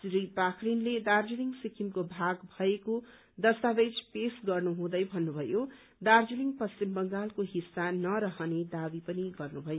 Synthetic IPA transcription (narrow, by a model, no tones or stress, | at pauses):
sɾipakʰɾinled̪ard͡ziliŋsikʰimkobʱaɡbʱʌeko | d̪ʌst̪abed͡zpesɡʌrnuɦũd̪ʌjbʱʌnːubʱʌjo | d̪ard͡ziliŋpʌst͡ʃimbʌŋɡalkoɦisːanʌɾʌɦʌned̪abipʌniɡʌrnubʱʌjo